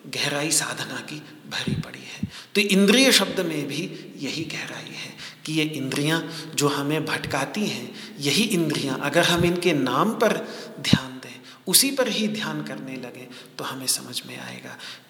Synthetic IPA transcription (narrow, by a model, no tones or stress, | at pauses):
ɡɛɦɾaːisaːd̪ʱnaki | bʱɐɾipɐɽḭɦɛːt̪oʔɪ̃nd̪ɾijəʃɐb̚d̪mẽbʱi | jɐɦiɡɛɦɾa̰ːḭɦɛːkijeʔɪ̃nd̪ɾijãd͡ʒoːɦɐmẽbʱɐʈkaːt̪iɦɛ̃ | jɐɦiʔɪ̃nd̪ɾijãʔɐɡəɾɦɐmɪnkenaːmpɐɾd̪ʱjaːnd̪ẽː | ʊsipɐɾɦid̪ʱjaːnkɐɾnelɐɡẽ | t̪oɦɐmẽsɐməd͡ʒʱmḛ̃a̰ːḛːɡa̰ː